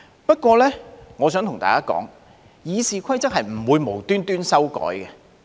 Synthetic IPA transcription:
pɐ˥t̚kʷɔː˧lɛː˥ŋɔː˨˧sœː˨˥ŋt̪ʰʊ˨˩ŋt̪a̰ː˨kaː˥kɔ̰ː˨˥ŋ | jiː˨˧siː˨kʰɐ˥jt͡sɐ˥k̚hɦɐ˨jm̩˨˩wuː˨˧jmo˨˩wt̪yː˥nt̪yː˥nsɐ˥wkɔ̰ː˨˥jkɛ˧

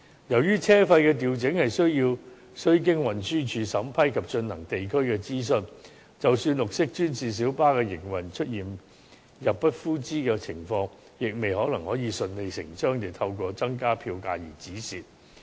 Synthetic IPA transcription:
jɐ˨˩wjyː˥t͡sʰɛː˥fɐ˧jkɛː˧t̪̬iː˨wt͡sɪ˨˥ŋhɐ˨jsɵ˥ɥjiː˧w | sɵ˥ɥk̬ɪ˥ŋwɐ˨˩nsyː˥t͡ʃʰyː˨˧sɐ˨˥mpʰɐ˥jkʰɐ˨p̚t͡ʃɵ˧nhɐ˨˩ŋt̪e˨jkʰɵ˥ɥkɛː˧t͡siː˥s̬ɵ˧n | t͡sɐ˨wsyː˧nlʊ˨k̚sɪ˥k̚t͡ʃyː˥nt͡siː˨s̬iː˨˥wpaː˥kɛː˧jɪ˨˩ŋwɐ˨˩nt͡ʃʰɵ˥t̚jiː˨˩n | jɐ˨˩p̚pɐ˥t̚fuː˥t͡siː˥kɛː˧t͡sʰɪ˨˩ŋfɔː˧ŋ | jɪ˨k̚me˨jhɔː˨˥lɐ˨˩ŋhɔː˨˥jiː˨˧sɵ˧nle˨˧jsɪ̰˨˩ŋt͡ʃœː˥ŋt̪e˨jt̪ʰɐ˧wkʷɔː˧t͡sɐ˥ŋkaː˥pʰiː˧wka̰ː˧jiː˨˩t͡siː˨˥siː˨t̚

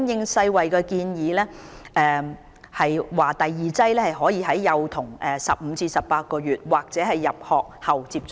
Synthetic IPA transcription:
njɪ˨˧ŋsɐ˧jwɐ˨jkɛː˧kiː˧njiː˨˥lɛː˥ʔɛː˧ | hɐ˨jwaː˨˩t̪ɐ˨jːiː˨˧t͡sɐ˥jlɛː˥hɐ˨jɦɔː˨˥jiː˧ɦɐ˨˥jːɐ˨wt̪ʰʊ˨˩ŋʔɛː˨˩sɐ˨p̚m̩˨˧t͡siː˧sɐ˨p̚paː˧t̚kɔː˧ɥyː˨t̚waː˨˩k̚t͡sɛː˨˥hɐ˨jːɐ˨p̚hɔː˨k̚hɐ˨wt͡siː˧p̚t͡ʃ

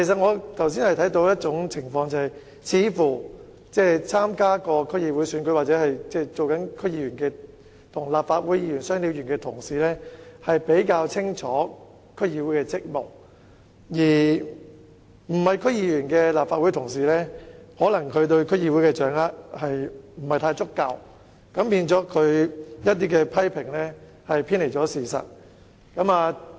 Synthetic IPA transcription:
kʰe˨˩s̬ɐ˨t̚ŋɔː˨˧t̪ʰɐ˨˩ws̬i˥nhɐ˨jt̪ʰɐ˨˥jt̪o˧wjɐ˥t̚t͡sʊ˨˥ŋt͡sʰɪ˨˩ŋfɔː˧ŋt͡sɐ˨˧hɐ˨j | t͡sʰiː˨˧fuː˨˩ | t͡sɛː˥˩t͡sʰaː˥mkaː˥kɔː˧kʰɵ˥k̚jiː˧wuː˨˥jsyː˨˥nkɵ˨˥waː˨t̚t͡sɛː˨˥hɐ˨jt͡sɛː˥˧˩t͡so˨wkɐ˨˥nkʰɵ˥k̚jiː˧jyː˨˩nkɛː˧ | t̪ʰʊ˨˩ŋlaː˨pfaː˧t̚wu˨˥jiː˧jyː˨˩nsœː˥ŋliː˧wjyː˨˩nkɛː˧t̪ʰʊ˨˩ŋsiː˨˩lɛː˥hɐ˨jpe˨˥jkaː˧wt͡sʰɪ˥ŋt͡ʃʰɔː˨˥ | kʰɵ˥kjiː˧wu˨˥jkɛː˧t͡sɪ˥k̚mʊ̰˨˩k̚ | jiː˨˩ | m̩˨˩hɐ˨jkʰɵ˥k̚jiː˧jyː˨˩nkɛː˧laː˨p̚faː˧wu˨˥jt̪ʰʊ˨˩ŋsiː˨lɛː˥hɔː˨˥lɐ˨˩ŋkʰɵ˨˧ɥt̪ɵ˧ɥkʰɵ˥jiː˧wu˨˥jkɛ˧t͡ʃœː˨˥ŋlaː˥hɐ˨jm̩˨˩hɐ˨jt̪ʰaː˧jt͡sʊ˥kːɐ˧w | kɐ˨˥mpiː˧nt͡sɔː˨˥kʰɵ˨˧ɥjɐ˥t̚t̪̬iː˥kɛː˧pʰɐ˥jpʰɪ˨˩ŋlɛ˥ | hɐ˨jpʰiː˥nle˨˩jt͡sɔː˨˥siː˨˩sɐ̰˨˩t̚ | kɐ˨˥maː˧

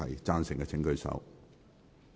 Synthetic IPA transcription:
ɐ˨˩jt͡saː˥nsɪ˨˩ŋkɛː˧t͡sʰɪ˨˥ŋkɵ˧ɥsɐ̰˧w

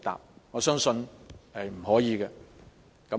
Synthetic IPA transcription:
t̪a̰ː˨p̚ŋɔː˨˧sœː˥ŋsɵ˧nhɐ˨jm̩˨˩hɔː˨˥jiː˨˧kɛ˧ | kɐ˨˦

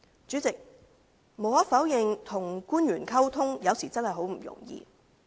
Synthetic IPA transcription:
t͡syː˨˥t͡sɪ˨k̚ | mo˨wɐ˥t̚fɐ˨˥wjɪ˨ŋt̪ʰʊ˨˩ŋkuː˥njyː˨˩nkʰɐ˥wt̪ʰʊ˥ŋjɐ˨˧wsiː˨˩t͡sɐ˥nhɐ˨jɦo˨˥wm̩˨˩jʊ̰˨˩ŋjḭː˧

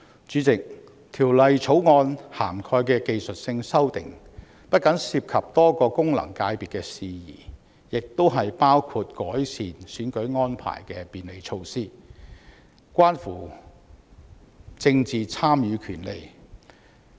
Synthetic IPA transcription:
t͡ʃyː˨˥t͡sɪ˨k̚ | t̪ʰiː˨˩wlɐ˨jt͡sʰo˨˥wŋɔː˧nhaː˨˩mkʰɔː˧jkɛː˧ke˨˧jsɵ˨t̚sɪ˧ŋsɐ˥wt̪ɪ̰˨ŋ | pɐ˥t̚kɐ˨˥ŋsiː˧p̚kʰɐ˨p̚t̪ɔː˥kɔː˧kʊ˥ŋlɐ̰˨˩ŋkaː˧jpiː˨t̚kɛ˧siː˨jḭː˨˩ | jɪ˨k̚t̪o˥wɦɐ˨jpaː˥wkʰuː˧t̚kɔː˨˥jsiː˨nsyː˨˥nkɵ˨˥ɥŋɔː˥npʰa̰ː˨˩jkɛ˧piː˨nle˨˧jt͡ʃʰo˧wsiː˥ | kʷaː˥nfuː˨˩ | t͡sɪ˧ŋt͡siː˨t͡sʰaː˥mjyː˨˧kʰyː˨˩nle˨j

